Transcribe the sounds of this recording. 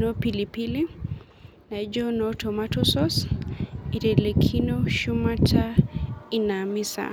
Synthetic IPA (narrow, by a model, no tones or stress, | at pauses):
nɔpilipili | naid͡ʒɔnɔtʰɔmatɔsɔs | iɾɛlɛkʰinɔʃumatʰainamisa̰